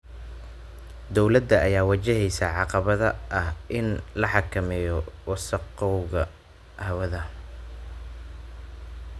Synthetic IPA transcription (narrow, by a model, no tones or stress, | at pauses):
d̪ɔwlɐd̪ːɐɐjaːwɐt͡ʃɛɦɛjsaʕɑqɑβɐðɐʔɐhʔɪnlɐħɑkʰɐmɛjɔwɑsɐqɔwɣɐ | hɐwɐðɐ